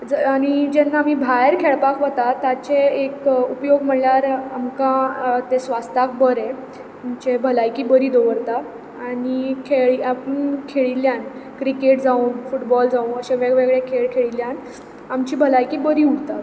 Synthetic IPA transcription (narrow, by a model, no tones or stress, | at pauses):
d͡zəaɽ̃id͡ʑɛnːamibʱajɾkʰeɭpakʋət̪at̪at͡ɕeekupjoɡm̤əɳljaɾamkãt̪esʋast̪ak̚bəɾe | mt͡ɕebʱəlajkiːbəɾid̪oʋəɾt̪a | aɽikʰeɭiapəɳkʰeɭiljankɾikeʈd͡zaunfuʈbɔld͡zaunəɕẽʋeɡʋeɡɭekʰeɭkʰeɭiljan | amt͡ɕiːbʱəlajkiːbəɾiːuɡt̪a